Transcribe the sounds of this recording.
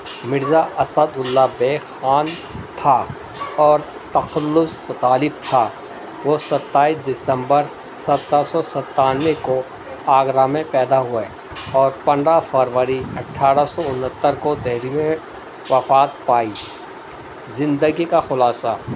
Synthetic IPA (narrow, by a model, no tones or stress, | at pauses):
mɪɾzaʔɐsəd̪ʊlːabeːkxaːn | t̪ʰa | ɔːɾ | t̪ɐxəlːʊsɣaːlɪb̚t̪ʰa | ʋosɐt̪ːaːiːsd̪ɪsə̃mbəɾ | sɐt̪ɾasɔsɐt̪ːaːneko | aːɡɾamẽpɛːd̪aɦʊe | ɔːɾpɐ̃nd̪ɾafəɾʋəɾiɐʈʰaːɾasɔʊnɦət̪ːəɾkod̪ɛɦɾimẽ | ʋɐfaːt̪paːiː | zɪ̃nd̪əɡikaxʊlaːsa